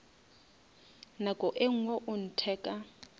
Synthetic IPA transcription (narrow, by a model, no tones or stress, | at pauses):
nakʼɔʔeŋ̩woʔʊn̩tʰɛːkʼa